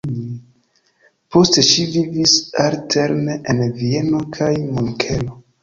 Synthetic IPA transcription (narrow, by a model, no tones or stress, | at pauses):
po̞ste̞ʃivivisaɾtʰe̞ɾneʔenvie̞no̞kʰajmoŋkʰe̞lo̞